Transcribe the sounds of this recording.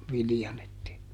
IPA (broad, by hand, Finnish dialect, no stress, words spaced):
ʋilĭjɑn etːei